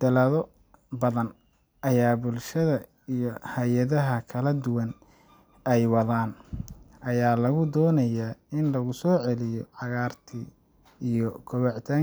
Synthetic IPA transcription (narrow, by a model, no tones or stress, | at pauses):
d̪̥ɐlɐðɔ | bɐðɐn | ʔɐjaːbʊlʃɐðɐ | ijɔhɐjɐðɐɦɐkʰɐlɐd̪ʊwɐn | ɛjwɑðaːnʔɐjaːlɐɣʊd̪ɔːnɐjaːɪnlɐɣʊsɔːʕɛlɪjɔʕɑɣaːrt̪ʰi | ijɔkʰɔβɛʕt̪ʰaː